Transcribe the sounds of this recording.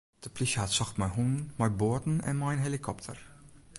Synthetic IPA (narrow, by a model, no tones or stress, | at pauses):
d̥əpliʃəhatsɔxtmajɦunnmajboətn̩ɛ̰nmajnɦelikʰɔptʰə̰r